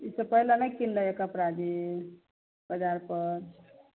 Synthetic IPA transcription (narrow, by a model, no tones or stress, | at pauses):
isəpəɦilanajkinlaekapɾad͡ʒi | b̥əd͡ʒaɾpəɾ